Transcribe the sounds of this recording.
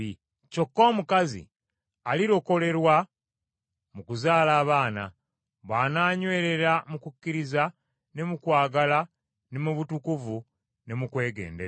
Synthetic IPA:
i | co̞kːo̞ːmukazḭ | aliɾo̞ko̞le̞ɾwa | mukuzaːlaːβaːna̰ | βaːnaːɲwe̞ːɾe̞ɾamukukːiɾiza | ne̞mukwaːɡala | ne̞muβutukuvu | ne̞mukwe̞ːɡe̞̰ːnde

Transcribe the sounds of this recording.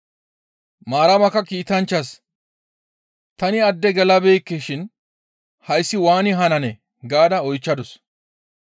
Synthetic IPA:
maːɾɐmɐkːɐkiːt̪ɐnt͡ʃːɐs | t̪ɐnɪɐd̪ːɛɡɛlɐbeːkːɛʃɪn | hɐjsːɪwaːnɪɦɐnɐnɛ | ɡaːd̪ɐɔjt͡ʃːɐd̪ɔs

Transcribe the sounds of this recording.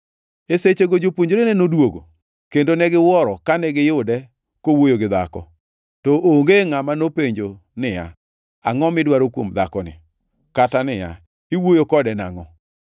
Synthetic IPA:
eset͡ʃeɡod͡ʒopwoɲd͡ʒoɾenɛnodwoɡo̰ | kendonɛɡɪwɔɾɔkanɛɡɪjʊdɛ | kowojoɡɪd̪a̰kɔ̰ | tɔʔoŋɡeŋamanopeɲd͡ʒo | nɪja̰ | a̰ŋɔmɪdwaɾokwomd̪akɔnɪ̰ | katanɪja̰ | iwojokɔdɛna̰ŋɔ

